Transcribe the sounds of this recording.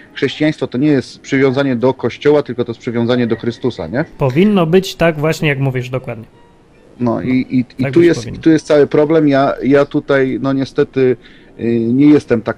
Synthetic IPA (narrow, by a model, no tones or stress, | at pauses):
xʂɛɕt͡ɕijaj̃st̪fɔt̪ɔɲɛjɛst̪pʂɘvʲjɔ̃w̃zaɲɛd̪ɔkɔɕt͡ɕɔwat̪ɘlkɔt̪ɔjɛspʂɘvʲjɔ̃w̃zaɲɛd̪ɔxɾɘst̪usa̰ɲɛpɔvʲinːɔbɘt͡ɕt̪aɡvwaɕɲɛjakmuvʲjiʐd̪ɔkwad̪̚ɲɛ | nɔ̰iʔiiat̪ujjɛsit̪ujɛst̪sawɘpɾɔblɛmjajat̪ut̪ajnɔɲɛst̪ɛt̪ɘ | ɲɛjɛst̪ɛmt̪ak